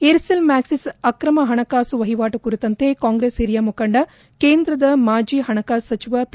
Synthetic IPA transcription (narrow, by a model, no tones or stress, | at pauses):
eːɾselmaːksisɐkɾɐmɐɦɐɳɐkaːsuʋɐɦiʋaːʈukuɾut̪ːɐnt̪ekaːŋɡɾeːsiɾijaːmukɐɳɖɐ | keːnd̪ɾɐd̪ɐmaːd͡ʒiːɦɐɳɐkaːsːɐt͡ʃiʋap